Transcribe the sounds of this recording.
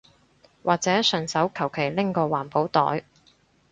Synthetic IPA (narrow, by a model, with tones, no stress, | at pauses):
waː˨k̚t͡sɛː˨˥sœ˨˩nsɐ˨˥wkʰɐ˨˩wkʰe˨˩jlɪ˥ŋkɔː˧waː˨˩npo˨˥wt̪ɔ̰ː˨˥j